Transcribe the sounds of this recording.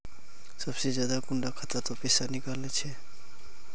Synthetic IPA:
sʌbsed͡ʒjad̪akuɳɖakʰat̪at̪ɔpesanikalnet͡sʰe

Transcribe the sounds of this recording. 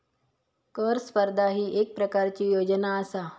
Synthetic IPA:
kəɾspəɾd̪ʱaɦiʔek̚pɾəkaɾt͡ɕijoːd͡ʒnaəsa

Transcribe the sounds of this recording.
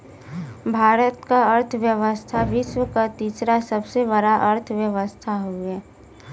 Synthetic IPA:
bʱaːɾət̪kaəɾt̪ʰʋjəʋəst̪ʰaʋɪʃwəkat̪iːsɾasəbsebəɽaʔəɾt̪ʰʋjəʋəst̪ʰaɦuɛː

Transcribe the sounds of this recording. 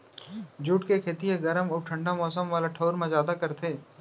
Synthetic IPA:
d͡ʒuːʈkekʰeːt̪ieɡəɾəmʊːʈʰə̃ɳɖamɔːsəmʋaːlaʈʰoːɾmẽzaːd̪akɐɾt̪ʰeː

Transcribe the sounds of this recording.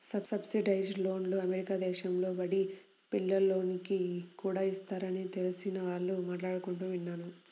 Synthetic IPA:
sɐbsɐbsiɖɐjd͡ʒlo̞ːnloːɐmeɾikaːd̪ɛːʃɐmlo̞ːbɐɽi | pilːɐlːo̞ːnikikuːɽaːist̪aːɾɐnit̪elusinɐʋaːɭːumaːʈlaːɽukuɳʈuːʋinːaːnu

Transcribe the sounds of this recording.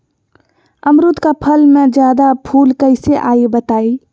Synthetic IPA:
əmɾut̪kapʰəlmẽd͡ʒjaːd̪apʰuːlkəɪseʔaːibət̪aːi

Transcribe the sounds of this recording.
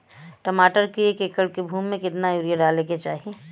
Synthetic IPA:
ʈəmaːʈəɾkeeːkeːkəɽkebʱuːmːẽkɪt̪najuːɾijaɖaːleket͡ʃaːɦie

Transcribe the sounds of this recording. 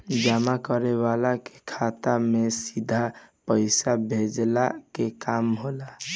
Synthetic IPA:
d͡ʒamakəɾewalake̥kʰat̪amesid̪ʱapəɪsabʱed͡ʒlakekamɦola

